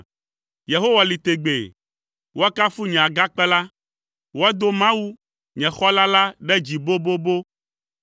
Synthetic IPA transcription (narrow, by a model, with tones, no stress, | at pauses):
je˨ɦo˦wa˨li˨t̪e˨ɡ͡be˨ | wʔo˦a˦ka˦fu˦ɲɛ̃˨a˨ɡa˦k͡pɛ˦la˦ | wo˦a˦d̪o˦mã˦wu˦ | ɲɛ̃˨xɔ˦la˦la˦ɖɛ˦d͡ʑi˨bo˦bo˦bo˦